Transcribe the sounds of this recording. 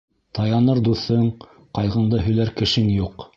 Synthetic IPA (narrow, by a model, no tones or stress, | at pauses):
t̪ɑjɑnɤɾd̪uθɤɴ | qɑjʁɤ̆nd̪ɤɦɵ̆læɾkɘ̆ʃɘŋjuq